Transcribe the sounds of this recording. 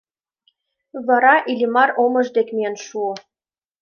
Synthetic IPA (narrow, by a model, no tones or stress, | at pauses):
βɑɾɑʔilʲimɑɾomɤ̆ʒd̪ekmijənʃuo